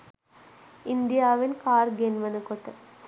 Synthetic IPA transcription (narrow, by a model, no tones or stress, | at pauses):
ind̪ijaːʋenkaːrɡenʋɐnəkoʈə